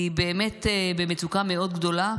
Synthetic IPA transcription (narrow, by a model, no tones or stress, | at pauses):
ibeːme̞t̪bemet͡sukame̞o̞d̪ɡd̪o̞la